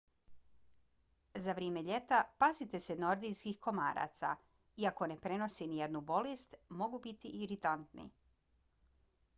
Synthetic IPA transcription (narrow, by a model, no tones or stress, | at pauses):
zaʋɾeːme̞ʎe̞t̪apazit̪e̞seno̞ɾd̪ijskixko̞ma̰ːɾa̰t̪sa̰ | iakone̞pɾe̞no̞sinije̞d̪nubo̞lest̪mo̞ɡubit̪iʔːɾit̪ant̪nḭ